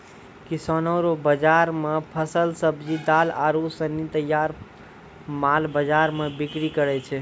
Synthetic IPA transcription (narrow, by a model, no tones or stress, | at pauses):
kisɔnəɾobəd͡ʒaɾmepʰəsəlsəbʱd͡ʒid̪alaɾusənːit̪əjːaɾ | malbəd͡ʒaɾmebikɾikəɾɛt͡ʃʰɛ